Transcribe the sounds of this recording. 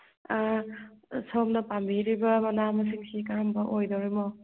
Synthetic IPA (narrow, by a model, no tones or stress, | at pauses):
sɔmnɐpambiɾibɐmanamɐs̬iŋsikaɾambɐʔojdowɾimɔ